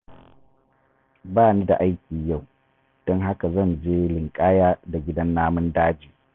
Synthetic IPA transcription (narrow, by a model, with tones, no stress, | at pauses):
baː˦˨ni˦da̰˨ʔa˦jkʲiː˨ja˦˨w | d̥ɔ˦ŋɦa˦ka˨zɐ˦˨nd͡ʒeː˦lɪ˨ŋkʼaː˦jaː˦da˨ɡʲɪ˦dɐ˦nːaː˦mʊ˦ndaː˦d͡ʒiː˨